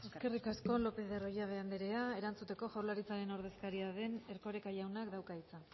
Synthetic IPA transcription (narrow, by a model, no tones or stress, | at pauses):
e̞ske̞rikasko̞lo̞pe̞ðe̞ro̞jaβ̞e̞and̪eɾe̞ae̞ɾant͡sut̪e̞ko̞ʝawlaɾit͡saɾe̞no̞ɾðe̞skaɾiaðe̞ne̞ɾko̞ɾe̞kajawnakd̪awkait͡sa